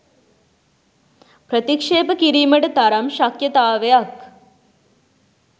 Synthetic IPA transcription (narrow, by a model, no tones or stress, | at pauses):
pɾɐt̪ikʂeːpɐkiɾiːmɐʈɐt̪ɐɾɐmʃɐkjɐt̪aːʋɐjɐk